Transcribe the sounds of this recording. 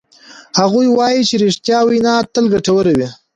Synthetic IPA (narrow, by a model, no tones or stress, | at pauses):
haɣujwɑjit͡ʃeɾeʂt̪jɑwijnɑt̪əlɡaʈawəɾawi